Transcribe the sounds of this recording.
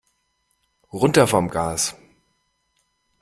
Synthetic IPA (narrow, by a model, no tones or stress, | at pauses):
ʁʊntɐfɔɐmɡaːs